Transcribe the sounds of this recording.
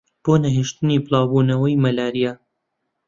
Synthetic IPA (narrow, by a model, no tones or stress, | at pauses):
b̥oːnɐɦeʃt̪ɨniːbɨlˠɑːwbuːnɐwɐjmɐlaːɾija